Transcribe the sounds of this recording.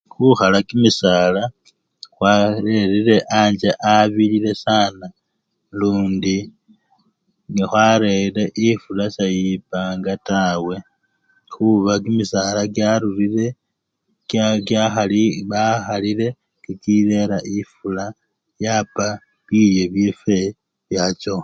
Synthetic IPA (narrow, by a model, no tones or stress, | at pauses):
xuxalakimisala | xwaɾeɾiɾe̞ʔaɲd͡ʒeʔaβilile̞saːna | luːndi | nixwaɾele̞ʔifulasajipaːŋɡatawe̞ | xuβak̬imisalakjaɾulile | kjaxaβaxalile̞ | kikile̞ɾaʔifula | japa | βilje̞βjefe | βjat͡ʃo